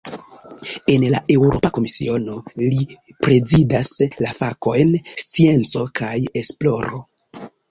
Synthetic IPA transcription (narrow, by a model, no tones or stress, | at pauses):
e̞nlaʔe̞wɾo̞̰pako̞misḭo̞no̞lipɾe̞zidaslafako̞jnst͡sie̞nt͡so̞kaje̞splo̞ɾo̞̰